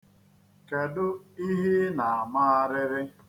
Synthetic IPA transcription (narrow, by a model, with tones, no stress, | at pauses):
ke˨dʊ˦i˦ɦi˦na˨a˨ma˦a˦ɾɪ˦ɾɪ˦